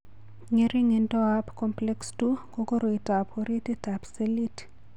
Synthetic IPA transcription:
ŋiɾiŋindɔapkɔmplɛkstukokoɾoitapoɾititapselit

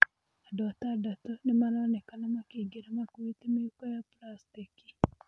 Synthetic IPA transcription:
adotadatonemalaɔnɛkanamakiɡiɾamakuitimijukɔjaplastiki̥

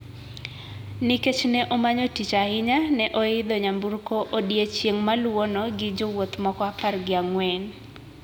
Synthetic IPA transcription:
niket͡ʃnɛʔomaɲotit͡ʃaɪɲanɛʔoɪd̪ɔɲamburkoʔodjet͡ʃjeŋmalwonoɡɪd͡ʒowot̪mɔkɔaparɡɪaŋwɛn

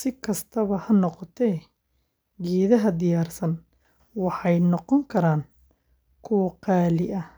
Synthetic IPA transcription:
sɪkʰɐst̪ʰɐβɐhɐnɔqɔt̪ʰɛː | ɡɛːðɐɦɐd̪ɪjaːrsɐn | wɑħɑjnɔqɔŋkʰɐɾaːn | kʰʊwɐqɑːlɪʔɐ

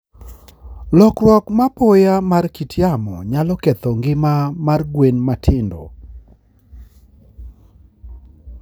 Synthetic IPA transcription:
lɔkrwɔkmapɔjamarkitʰjamɔ̰ɲalɔket̪ɔŋɡɪmamarɡwenmatʰɪndo̰

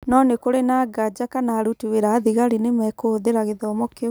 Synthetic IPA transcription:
nɔnekoɾenaɡad͡ʒakanaːɾutiweɾaːðiɣaɾinemɛkoðeɾaɣeðɔmɔke

